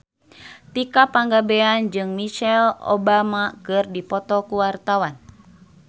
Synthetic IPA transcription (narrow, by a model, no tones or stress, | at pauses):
t̪ikapaŋɡabɛand͡ʒɨŋmiʃɛlɔ̰bamakɨrdipɔt̪ɔkuwart̪awan